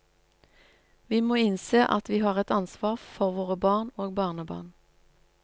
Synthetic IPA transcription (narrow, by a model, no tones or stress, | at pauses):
ʋiːmoːɪnseːʔɑ̰t̪ʋiːhɑːʁɛt̪ɑnsʋɑːʁfɔʁʋoːʁəbɑːʁnoːɡbɑːʁnəbɑ̰ːʁn